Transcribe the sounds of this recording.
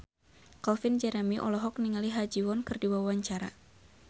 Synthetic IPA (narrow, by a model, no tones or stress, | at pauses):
kɔlfɪnd͡ʒɛɾɛmiʔɔ̰lɔɦɔk̚niŋaliɦad͡ʒiwɔnkɨrdiwawaɲt͡ʃaɾa̰